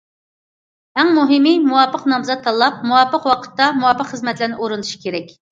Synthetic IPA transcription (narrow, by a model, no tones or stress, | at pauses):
ɛŋmuɦɪmɨmuwɑpːəqnɑmzɑt̪ʰːɑlˠɑp̚muwɑpːəqwɑqʰə̥t̪ːɑmuwɑpːəqχəzmɛt̪lɪɾnɪʔoɾunuʃi̥kʲʰeɾɛkʲ